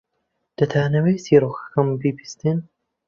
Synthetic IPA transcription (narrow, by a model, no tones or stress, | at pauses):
d̪̥ɐt̪ʰaːnɐwejsiːɾoːxɐ̥kɐmbibi̥st̪ɨn